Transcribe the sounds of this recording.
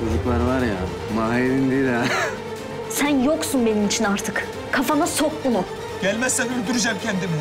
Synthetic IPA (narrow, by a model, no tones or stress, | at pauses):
hɯzɯklˠaɾvaɾja | maɦenind̪id̪a | sænjoksunbe̞nimit͡ʃʰinaɾt̪ʰɯk | kʰafamasok̚bunu | ɟ̥ælʲmɛsːɛnyɾd̪yɾyd͡ʒɛmcʰɛnd̪imi